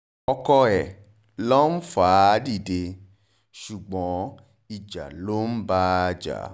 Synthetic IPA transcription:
ɔ˧kɔ˧ɛ˨ | lɔ̃˦n̩˦faː˨˦di˦˨de˧ | ʃu˨ɡ͡bɔ̃˨˦ | i˨d͡ʒa̰˨lo˦n̩˦ba˦˧d͡ʒa̰˨˦

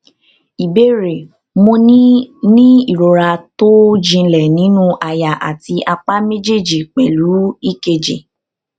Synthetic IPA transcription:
i˨be˦ɾe˨ | mõ˧ni˦nĩ˦i˦˨ɾo˨ɾa˧to˦d͡ʒĩ˧lɛ˨nĩ˨˦nũ˦ʔa˧ja˨ʔa̰˨ti˧ʔa˧k͡pa˦me˦d͡ʒe˦˨d͡ʒi˨k͡pɛ˨lu˨˦i˦˨ke˧d͡ʒe˨

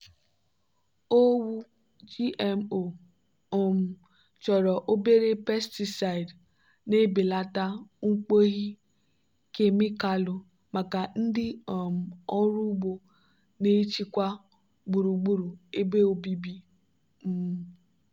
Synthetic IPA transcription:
o˦wu˦ | d͡ʒi˦ʔe˨mo˨ | o˦m̩˨ | t͡ʃɔ˨ɾɔ˨ʔo˦be˦ɾe˦pe˦sti˨sa˨ɪ˨d | ne˦bi˨la˦ta˦ŋ̩˦k͡po˦ɣi˦ | ke˦mi˦ka˦lʊ˨ | ma˨ka˨n̩˦dɪ˦ɔ˨m̩˨ɔ˦ɾu˦ɡ͡bo˦ | ne˦t͡ʃi˦kʷa˦ | ɡ͡bu˨ɾu˨ɡ͡bu˦ɾu˨e˦be˦o˨bi˦bi˦ | m̩˦m˦

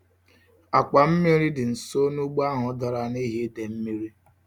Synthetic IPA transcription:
a˨k͡pa˨m̩˦mi˦ɾi˦dɪ˨n̩˨so˦nu˦ɡ͡ba˦ɦɔ˨˦dɔ˨ɾa˨ni˦ɦe˦de˨m̩˦mi˦ɾi˦

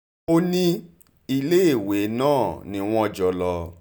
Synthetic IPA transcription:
o˦nĩ˦ | i˧le˦e˦˨we˨˦nãː˦˨nĩ˨˦w̃ɔ̃˦ɔ˧d͡ʒɔ˧lɔ˧

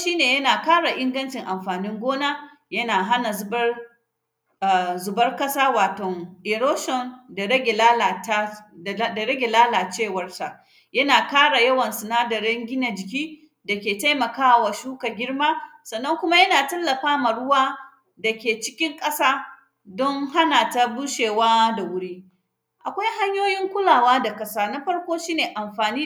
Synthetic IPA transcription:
ʃiː˦neː˨jɐ˦naː˨kaː˦ɽa˨ʔɪ˦ŋɡɐ˦nt͡ʃɪ˨ŋʔa˨mɸaː˨nɪ˦ŋɡʷoː˦naː˦ | jɐ˦naː˨ɦa˦na˨zbɐ˦r | a˨zʊ˨bɐ˦rkɐ˦saː˦waː˨tɔ˨ŋʔe˨ɾoː˦ʃɔ˨nda˨ɽɐ˦ɡʲe˨laː˦la˨ta˦˨˦da˨ɽɐ˦ɡʲe˨laː˦laː˨t͡ʃeː˦˨wɐ˦rsa˨ʔ | jɐ˦naː˨kaː˦ɽa˨jɐ˦wɐ˨nsʊ˨naː˦dɐ˨ɾɛ˦ŋɡʲɪ˦na˨d͡ʒɪ˨k̬ʲiː˦ | da˨kʲeː˨ta˦jmɐ˨kaː˦˨wa˨ʃuː˦ka˨ɡʲɪ˦ɽmaː˦sɐ˨nːɐ˦ŋkʷʊ˦ma˦jɐ˦naː˨tɐ˦lːɐ˨ɸaː˦ma˨ɽʊ˦waː˦ | da˨kʲeː˨t͡ʃɪ˦kʲɪ˦ŋkʼɐ˦saː˦ | dɔ˦ŋha˦naː˨ta˦bu˦ʃeː˨waː˦da˨wʊ˦ɽiː˦ | ʔa˨kʷa˦jɦa˦ɲjoː˦jɪ˦ŋkʷʊ˦laː˨waː˦da˨kʼɐ˦saː˦na˦ɸɐ˦ɽkʷoː˦ʃiː˦neː˨ʔa˨mɸaː˨niː˦

